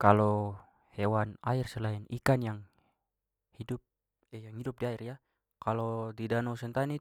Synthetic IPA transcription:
kalo | hɛwanairsəlainikanjaŋ | hidup̚ | ɛjaŋhidup̚diairja | kalodidanowsɛnt̪ani

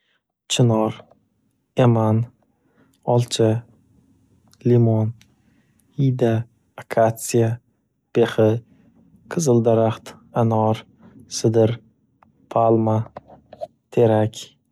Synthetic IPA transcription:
t͡ʃʰɪnɒɾ | eman | ɒlˠt͡ʃʰa | limon | ijd̪aː | kʰat̪sija | b̥eχɪ | qʰɨzɨld̪aɾaχt̪ | anɒɾ | sɪd̪ɪɾ | pʰalˠma | t̪ʰe̞ɾakʲ

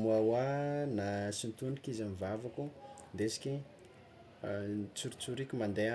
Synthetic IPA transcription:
muawanasint̪unikizamivavakud̪esi̥kʲi | t͡suɾi̥t͡suɾikʲimand̪ea

